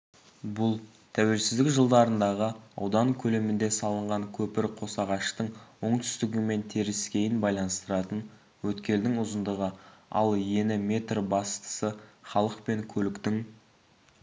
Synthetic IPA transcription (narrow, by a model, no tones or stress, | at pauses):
bʊlˠ | t̪ʰæwe̞lsɪzd̪ɪkʒəlˠd̪ɑɾənd̪ɑʁəɑwd̪ɑŋkʲʰɵle̞mɪnd̪e̞sɑlˠəɴʁɑŋkʲʰɵpɪɾqʰo̞sɑʁɑʃt̪əɴwo̞ɴt̪ʰʏ̥st̪ɪɡʲɪme̞nt̪ʰe̞ɾɪskʲe̞jɪnbɑjlˠɑnəst̪əɾɑt̪ən | wɵt̪kʲe̞ld̪ɪŋʊzənd̪əʁəɑ̰lˠje̞nɪme̞t̪rbɑst̪ə̥səχɑlˠəqpe̞ŋkʲʰɵlɪkt̪ɪŋ